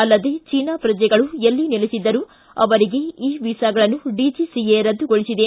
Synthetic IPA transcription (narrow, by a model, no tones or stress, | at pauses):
ɐlːɐd̪e̞ːt͡ʃiːnaːpɾɐd͡ʒjɛɡɐɭuelːinilesid̪ːɐɾu | ɐ̰ʋɐɾiɡe̞iːʋisaːɡɐɭɐnːuɖiːd͡ʒisieːɾɐd̪ːuɡoɭisid̪e